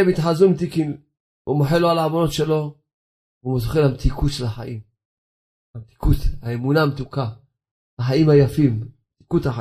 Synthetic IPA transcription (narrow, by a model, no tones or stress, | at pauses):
emit̪ħazumit̪ikin | vumoħeloalaamonot̪ʃelo̞ | vumozχelhamt̪ikʰut̪ʃelaħa̰ʔim | hamt̪i̥kut̪aemunamt̪uka | aħaimhajafimmt̪i̥kut̪haħa